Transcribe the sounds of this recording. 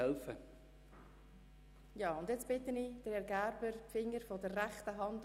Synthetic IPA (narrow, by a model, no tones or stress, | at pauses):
ɛlfə | jɑːʊndjɛt͡sb̥ɪtənid̥əɾhɛɾɡæɾbəɾfɪŋːəɾfɔdərːæχtəɦɑnd